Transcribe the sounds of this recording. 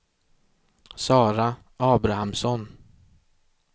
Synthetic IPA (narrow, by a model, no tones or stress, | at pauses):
sɑːɾa | ʔɑːbɾahamsɔn